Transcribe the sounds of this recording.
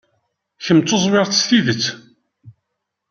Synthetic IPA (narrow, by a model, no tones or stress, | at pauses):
çəmt͡s̪ːozˤwɪʁtːsθiðət͡sː